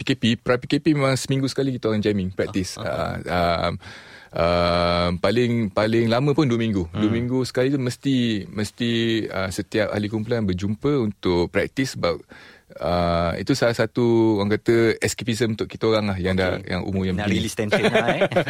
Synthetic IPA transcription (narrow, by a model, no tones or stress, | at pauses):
pikepipəɾapikepimemãŋsəmĩŋɡusə̥kalikit̪əoɣaŋd͡ʒɛmɪŋpɾɛk̚t̪isə̰əmʔəmpalɪŋpalɪŋlamə̃pʊnduəmĩŋɡuduəmĩŋɡusə̥kalit̪uməst̪iməst̪iə̰sət̪iap̚ʔa̰likump̬ulanbərd͡ʒumpəunt̪ʊk̚pɾɛk̚t̪isəbap̚əḭt̪usalahsat̪uoɣaŋkat̪əɛskepizəmunt̪ʊʔkit̪aoɾaŋlahjaŋdaja̰ŋṵmumjaŋbəiist̪ɛn